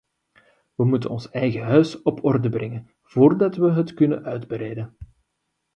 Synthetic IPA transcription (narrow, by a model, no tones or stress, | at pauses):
ʋəmutə̰nɔnsɛjɣəɦœɥsɔpʰɔrdəbrɛŋən | v̥oːrdɑtʋəɦətkɵnənʔœɥdbəɾɛjdən